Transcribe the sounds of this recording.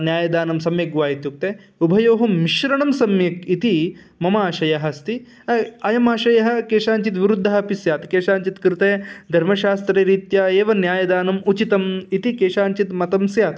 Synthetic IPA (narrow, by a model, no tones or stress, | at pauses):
njaːjɐd̪aːnɐmsɐmjɐɡʋaːɦit̪juk̚t̪eː | ubʱɐjoːɦɐmːiʃɾɐɳɐmsɐmjɐkit̪i | mɐmaːʃɐjɐɦɐst̪i | ɐjɐmaːʃɐjɐɦɐ̆keːʃaːɲt͡ʃit̪ʋiɾud̪ʱːɐɦɐpisjaːt̪keːʃaːɲt͡ʃit̪kɾt̪ed̪ʱɐɾmɐʃaːst̪ɾeːɾiːt̪jaːeːʋɐnjaːjɐd̪aːnɐmut͡ʃit̪ɐmit̪ikeːʃaːɲt͡ʃit̪mɐt̪ɐmsjaːt̪